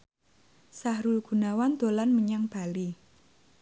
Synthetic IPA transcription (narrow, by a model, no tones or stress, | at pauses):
sahɾulɡ̥ṳnawand̪̥o̤lanməɲaŋb̥a̤li